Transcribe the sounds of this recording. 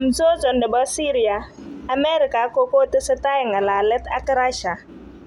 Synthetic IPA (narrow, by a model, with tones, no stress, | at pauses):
m̩˨so˦zɔ˨ndə˨ba˦si˦ɾi˨a˨ | a˨mɛ˦ɾi˨ka˨˦ko˦ko˦tə˦sə˦ta˦ji˨ŋa˨la˨lɛ˦ta˦kə˦ɾa˦ʃa˨